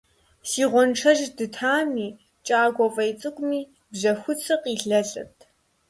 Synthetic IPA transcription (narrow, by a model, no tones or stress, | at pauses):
siːʁʷɔnʈ͡ʂʰɐʒdɨtʰaːmiː | t͡ʃʼaːɡʷɔfʼɐjt͡sʼɨkʷʼʊmiː | bʑɐxʷʊt͡sʰɨqʼiːɬɐɬʼɨ̰tʰ